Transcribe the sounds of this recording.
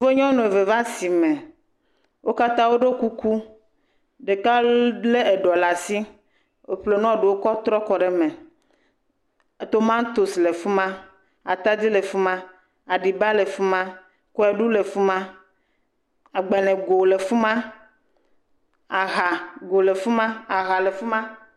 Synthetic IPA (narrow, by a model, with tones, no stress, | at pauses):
vo˦ɲɔ̃˦nɔ̃˨e˨ve˨va˦si˨mɛ̃˨ | wʔo˦ka˦t̪ã˦wo˦ɖo˦ku˦ku˦ | ɖe˨ka˦le˦e˨ɖɔ˨la˨si˦ | o˦ɸle˨nɔ̃˦˨ɖu˨wo˦kɔ˦t̪ɾɔ˦kɔ˨ɖe˨mẽ˨ | t̪o˦mã˦ŋ̩˦t̪o˨sle˨fu˦mã˦ | a˨t̪a˦d͡ʑi˦le˨fu˦mã˦ | a˨ɖi˨ba˦le˨fu˦mã˦ | kɔ˦ɛ˨ɖu˦le˨fu˦mã˦ | a˨ɡ͡bɛ˨lɛ̃˨ɡo˨le˨fu˦mã˦ | a˨ɦa˨ɡo˨le˨fu˦mã˦a˨ɦa˨le˨fu˦mã˦